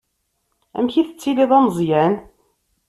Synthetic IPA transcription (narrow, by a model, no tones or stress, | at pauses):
æ̰mçiθət͡sːiliðˤɑməzˤjæn